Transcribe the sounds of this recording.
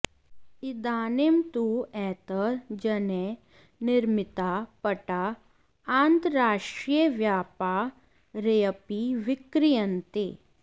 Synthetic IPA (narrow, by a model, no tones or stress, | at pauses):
id̪aːnemt̪uɛːt̪əɾd͡ʒɐne | nɪɾmɪt̪apɐʈa | aːnt̪ɾaːʃʈɾiəʋjaːpa | ɾejəpiʋɪkɾijənt̪ḛː